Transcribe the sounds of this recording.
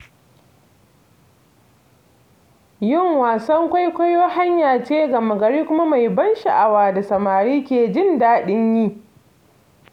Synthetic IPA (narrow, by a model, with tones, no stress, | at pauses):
jɪ˦˨ŋwaː˨sɐ˦ŋkʷa˦jkʷɐ˦joː˦ha˦ɲjaː˨t͡ʃeː˦ɡɐ˨mɐ˨ɡɐ˨ɽiː˦kʷʊ˦ma˦ma˨jbɐ˦nʃa˨ʔa˨waː˨da˨sɐ˨maː˨ɾiː˦kʲeː˨d͡ʒɪ˦ndaː˦ɗɪ˦ɲjiː˦˨